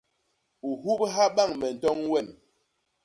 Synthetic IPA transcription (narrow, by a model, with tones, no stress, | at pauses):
u˨ɦu˦p̚ɦa˦ɓa˦˨ŋmɛ˨n̩˨tɔ˦ŋwɛ˦˨m